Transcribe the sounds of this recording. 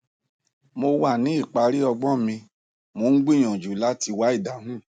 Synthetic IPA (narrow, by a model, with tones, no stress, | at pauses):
mo˧wa˦˨nĩ˨˦i˦˨k͡pa˨˧ɾi˦ɔ˧ɡ͡bɔ˦mĩ˧ | mo˧˦n̩˦ɡ͡bĩ˦˨j̃ɔ̃˨d͡ʒu˨˦la˦ti˧wa˨˦i˦˨da˨˦ɦũ˦˨